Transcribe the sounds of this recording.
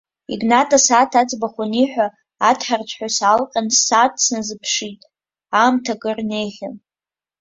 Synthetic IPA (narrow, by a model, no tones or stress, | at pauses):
ḭɡnatʼasatʰad͡zbaχʷʊniħʷᶣaː | tʰħart͡sʰħʷᶣasalqʲʼansat̚ʰt͡sʰnazɨpʰʂitʼ | amtʰaɡʼɨrnejχʲan